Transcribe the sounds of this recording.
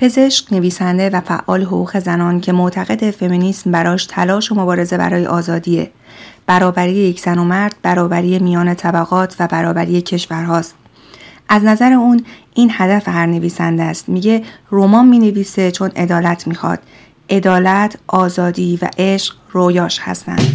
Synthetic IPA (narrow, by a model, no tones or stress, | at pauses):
pʰe̞ze̞ʃkne̞viːsænd̪e̞væfæ̰ʔːɒ̰ːleɦoɣuːɣe̞zænɒːncʰe̞mot̪ʰæɣe̞d̪e̞fe̞miniːsmbæɾɒːʃt̪ʰælɒːʃo̞mo̞bɒːɾe̞ze̞bæ̰ɾɒːje̞̰ʔɒːzɒːd̪iːe̞̰ | b̥æɾɒːbæɾiːjejecʰz̥æno̞mæɾd̪̥̚bæɾɒːbæɾiːemijɒːne̞t̪ʰæbæɣɒːt̪ʰvæbæɾɒːbæɾije̞cʰe̞ʃvæɾɦɒːst̪̚ | ʔæznæzæɾe̞uːnʔiːnhæd̪æfhæɾne̞viːsænd̪ææst̪miːɟe̞romɒːmmiːne̞viːse̞t͡ʃʰo̞ne̞̰d̪ɒːlæt̪ʰmiːxɒ̰ːd̪̥ | ʔe̞d̪ɒːlæt̪ʰʔɒːzɒːd̪iːvæ̰ʔe̞ʃq | rojɒːʃhæ̰st̪æ̰nd̪̥